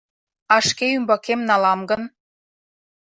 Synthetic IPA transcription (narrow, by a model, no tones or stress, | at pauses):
ɑʃkeymbɑkemnɑlɑmɡə̆n